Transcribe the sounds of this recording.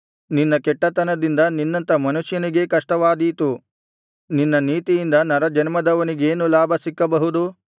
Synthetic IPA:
ninːɐkɛʈːɐt̪ɐnɐd̪ind̪ɐninːɐnt̪ɐmɐnuʂjɐniɡe̞kɐʂʈɐʋaːd̪iːt̪u | ninːɐniːt̪ijind̪ɐnɐɾɐd͡ʒɐnmɐd̪ɐʋɐniɡe̞ːnulaːbʱɐsikːɐbɐɦud̪u

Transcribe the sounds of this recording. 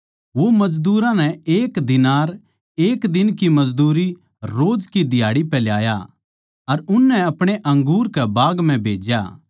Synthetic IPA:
ʋomɐd͡ʒd̪uːɾãnɛeːkd̪ɪnaːɾ | eːkd̪ɪnkimɐd͡zd̪uːɾi | ɾoːd͡ʒkid̪ɪjaːɽipɛljaːja̰ | ɐɾʊnːɛɐpɽ̃eʔɐ̃ŋɡuːɾkɛbaːɡm̤ɛ̃bʱeːd͡ʒja̰

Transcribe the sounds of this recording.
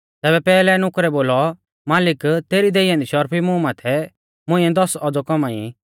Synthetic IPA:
t̪ɛːbɛpɛːlɛnʊ̃kɾɛboːlɔ | maːlɪkt̪eːɾid̪eijãnd̪iʃɔɾpʰimũmat̪ʰɛ | mʊ̃ɪ̃ɛ̃d̪ɔsɔd͡zɔkɔmaḭ

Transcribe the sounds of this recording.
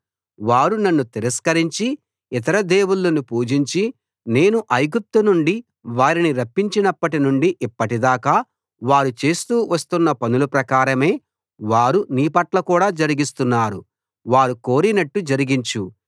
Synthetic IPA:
ʋaːɾunɐnːut̪iɾɐskɐɾiɲt͡ʃi | it̪ɐɾɐd̪e̞ːwulːɐnupuːd͡ʒiɲt͡ʃi | ne̞ːnuʔɐjɡup̚t̪unuɳɖi | ʋaːɾiniɾɐpːiɲt͡ʃinɐpːɐʈinuɳɖiʔipːɐʈid̪aːkaː | ʋaːɾut͡ʃe̞ːst̪uːʋɐst̪unːɐpɐnulupɾɐkaːɾɐme̞ː | ʋaːɾuniːpɐʈlɐkuːɽaːd͡ʒɐɾiɡist̪unːaːɾu | ʋaːɾuko̞ːɾinɐʈːud͡ʒɐɾiɡiɲt͡ʃu

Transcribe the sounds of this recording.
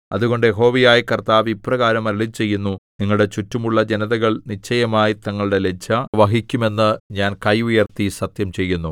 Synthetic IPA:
ɐðuɣo̞ɳɖɨjeɦo̞ːʋijaːjikɐrt̪aːʋiprɐɣaːɾɐmɐɾɐɭit͡ɕe̞jːunːuniŋːɐɭɽe̞t͡ɕutːumuɭːɐd͡ʑe̞nɐðɐɣɐɭnit͡ɕʰːɐjɐmaːjit̪ɐŋːɐɭuɽe̞le̞d͡ʑʰɐʋɐɦikʲːume̞nːɨɲaːnkɐjujɐrt̪isɐt̪jɐmt͡ɕe̞jːunːu

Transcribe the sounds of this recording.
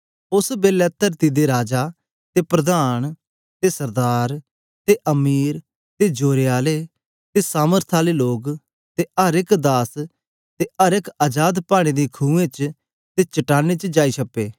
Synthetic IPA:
ʊsbeːlɛːt̪əɾt̪id̪eɾaːd͡ʒa | t̪epɾɐd̪aːñ | t̪esɐɾd̪aːɾ | t̪eʔɐmiːɾ | t̪ed͡ʒoːɾeaːle | t̪esaːməɾt̪ʰaːleloːɡ | t̪eəɾɪkd̪aːs | t̪eʔəɾɪkaːd͡ʒaːd̪paːɽ̃ed̪iːkʰũːẽt͡ʃ | t̪eːt͡ʃɐʈaːnet͡ʃd͡ʒaːisʰɐpːeː

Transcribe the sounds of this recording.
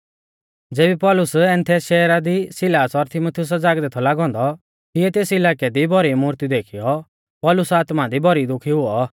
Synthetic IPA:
d͡zeːbipɔlʊsɛ̃ːnt̪ʰɛʃɛːɾad̪isɪlaːsɔɾt̪ʰɪmut̪ʰɪʊs̬ad͡zaːɡd̪ɛːt̪ʰɔlaːɡɔ̃ːnd̪ɔ | t̪iɛt̪eːsɪlaːkɛd̪ibʱɔɾimuːɾt̪id̪eːkʰijɔ | pɔlʊsaːt̪mad̪ibʱɔɾid̪ʊkʰiɦʊɔ

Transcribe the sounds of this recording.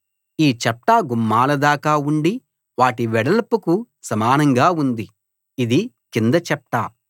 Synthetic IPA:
iːt͡ʃɐpʈaːɡumːaːlɐd̪aːkaːuɳɖi | ʋaːʈiʋɛɽɐlɐpuku | sɐmaːnɐŋɡaːund̪iː | d̪i | kind̪ɐt͡ʃɐpʈa

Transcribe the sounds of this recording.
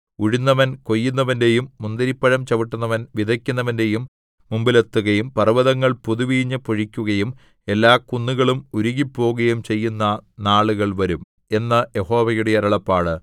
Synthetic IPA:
uɻinːɐʋɐnkojːunːɐʋɐnde̞jumːund̪ɐɾipːɐɻɐmt͡ɕɐʋiʈːunːɐʋɐnʋid̪ʱɐkʲːunːɐʋɐnde̞jumː | umbilet̪ːuɣɐjumpɐrɐʋɐðɐŋːɐɭpuðuʋiːɲːɐpoɻikʲːuɣɐjum | e̞lːaːkunːuɣɐɭumuɾuɣipːo̞ːɣɐjumt͡ɕe̞jːunːɐnaːɭuɣɐɭʋɐɾum | e̞nːɐje̞ho̞ːʋɐjuɽe̞jɐɾɐɭɐpːaːɭɨ

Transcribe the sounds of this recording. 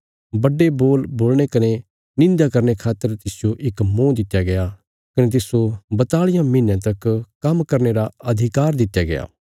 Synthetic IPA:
bɐɖeboːlboːlñekɐne | nɪ̃nd̪akɐɾnekʰaːt̪ːəɾt̪ɪsɪjoʔɪkmõːd̪ɪt̪ːjaɡɐja | kɐnet̪̬ɪsobɐt̪aːɭɪjãmiːnjãt̪ɐkkɐmkɐɾneɾaɐd̪ʱɪkaːɾd̪ɪt̪ːjaɡɐja̰ː

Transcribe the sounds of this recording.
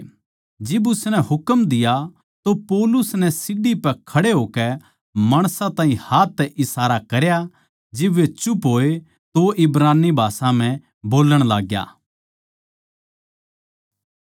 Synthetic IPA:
d͡ʒɪbʊsnɛhʊkəmd̪ɪja | t̪opɔːlʊsnɛsɪɖipɛkʰɐɽeɦoːkɛ | mɐɽ̃sãt̪ãːɦĩhaːt̪ʰːɛʔɪsaːɾakɐɾja | d͡ʒɪbet͡ʃʊpɦoːe | t̪oʔɪbɾaːnːibʱaːsãm̤ɛ̃ | boːləɽ̃laːɡja̰ː

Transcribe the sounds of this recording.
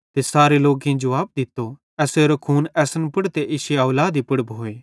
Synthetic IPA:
t̪esaːɾeloːɡẽd͡ʒɐʋaːb̚d̪ɪt̪ːo | ɛːseɾokʰuːnɛːsənpʊɽt̪eʔɪʃeaːlaːd̪ipʊɽboːeː

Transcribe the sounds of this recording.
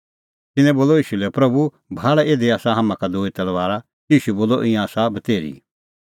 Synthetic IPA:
t̪ɪnɛ̃boːlɔiːʃulɛpɾɐbu | bʱaːɽɛeːd̪eaːsaɦɐmãkad̪oːit̪ɐlʋaːɾa | iːʃuboːlɔʔɪ̃jãːsabɐt̪eːɾḭ

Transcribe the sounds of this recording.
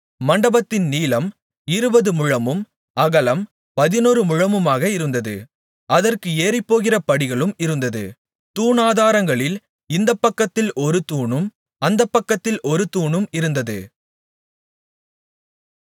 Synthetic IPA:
mɐɳɖɐbɐt̪ːɪnniːlɐm | ɪɾɯbɐðɯmʊɻɐmɯm | ɐɣɐlɐm | pɐðɪnuːɾɯmʊɻɐmɯmaːɣɐɪɾɯnd̪ɐðɯ̰ | ʔɐðɐrkɯeːrɪpːoːɣɪrɐpɐɽɪɣɐɭɯmɪɾɯnd̪ɐðɯ̰ | t̪uːɳaːðaːɾɐŋɡɐɭɪl | ɪnd̪ɐpːɐkːɐt̪ːɪlʔɔɾɯt̪uːɳɯm | ɐnd̪ɐpːɐkːɐt̪ːɪlʔɔɾɯt̪uːɳɯmɪɾɯnd̪ɐðɯ̰

